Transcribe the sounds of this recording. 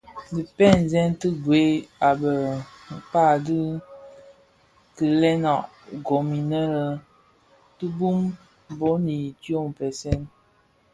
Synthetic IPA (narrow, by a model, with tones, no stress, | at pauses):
di˨pɛ˦˨n˨zɛ˦ntɨ˦ɡwe˨˦a˨bə˨ | m̩˨pa˦˨di˦ | kɨ˨lɛ˦nɔ˨ʔ | ɡo˨mi˨nə˦lə˨ | tɨ˦bu˦m | bo˦ni˨tjo˦˨m˨pɛ˨sɛ˦n